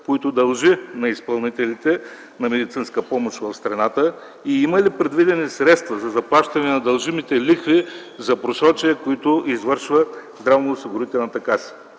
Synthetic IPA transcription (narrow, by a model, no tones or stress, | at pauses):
koit̪ʊd̪ɐlˠʒinɐispɐlˠnit̪ɛlit̪ɛ | nɐmɛd̪it̪sinskəpɔmoʃvɐfst̪ɾɐnat̪ə | iimɐlipɾɛd̪vid̪ɛnisɾɛt̪st̪vɐzɐzɐplˠaʃt̪ɐnɛnɐd̪ɐlˠʒimit̪ɛlixvi | zɐpɾosɾɔt͡ʃiəkoit̪ʊizvɤɾʃvəzd̪ɾavnoʊsiɡʊɾit̪ɛlˠnɐt̪ɐkas